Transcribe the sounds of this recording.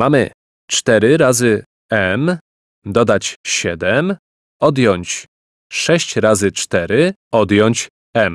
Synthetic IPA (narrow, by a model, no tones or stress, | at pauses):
mamɘ̰ | t͡ʂt̪ɛɾɘɾazɘ | ɛm | d̪ɔd̪at͡ɕɕɛd̪ɛm | ɔd̪jɔɲt͡ɕ | ʂɛɕt͡ɕɾazɘt͡ʂt̪ɛɾɘɔd̪jɔɲt͡ɕ | ɛm